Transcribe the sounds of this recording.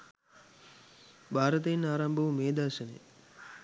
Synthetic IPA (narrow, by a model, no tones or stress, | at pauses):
bʱaːɾɐt̪̬einaːɾɐmbʱɐʋumeːd̪aːʃɐnḛ